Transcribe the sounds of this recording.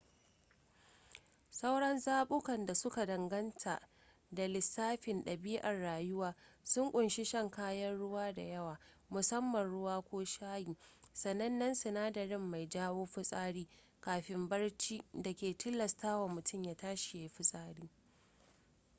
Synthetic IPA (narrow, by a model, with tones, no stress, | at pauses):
sɐ˦wɽɐ˦nzaː˦ɓʊ˦kɐ˨nda˨sʊ˦ka˨dɐ˨ŋɡɐ˦ntʰa̰˨ | da˨lɪ˨sːaː˦ɸɪ˨nɗɐ˨biː˦ʔa˨rːaː˨jʊ˦waː˨sʊ˦ŋkʷʼʊ˨nʃɪ˦ʃɐ˦ŋkaː˦jɐ˦nɽʊ˦waː˦da̰˨jɐ˦waː˨ | mʊ˨sɐ˦mːɐ˨nɽʊ˦waː˦kʷoː˦ʃaː˦jiː˨sɐ˨nːɐ˦nːɐ˦nsʊ˨naː˦dɐ˨ɾɪ˦mːa˨jd͡ʒaː˦woː˦ɸʊ˦sʼaː˦ɽiː˦ | kaː˨ɸɪ˨mbɐ˦ɽt͡ʃi˦da˨kʲeː˨tʊ˦lːɐ˨staː˦wa˨mʊ˨tʰʊ˦mjaː˦taː˦ʃi˨ja˨jɸɪ˦sʼaː˦ɽiː˦